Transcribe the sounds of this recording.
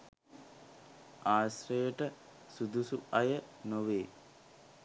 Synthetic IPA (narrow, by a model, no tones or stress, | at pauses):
aːsrəjəʈə | sud̪usuajənoʋeː